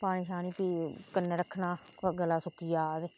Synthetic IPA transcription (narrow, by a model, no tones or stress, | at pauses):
paːniʃaːniːpiːkənːəɾəkʰːnaːɡəlːaːsʊkiːjaːd̪